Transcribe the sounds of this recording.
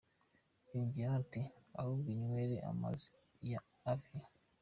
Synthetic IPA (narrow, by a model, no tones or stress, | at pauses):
iɱvjatia̰woβiɲweɾḛʔa̰ma̰zi | jaː | fija